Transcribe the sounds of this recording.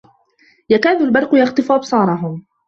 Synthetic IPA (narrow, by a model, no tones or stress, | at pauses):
jakaːðʊlbɑɾˤqʊjɑxt̪ɨfʔɑbsˤɑːɾˤɑɦʊm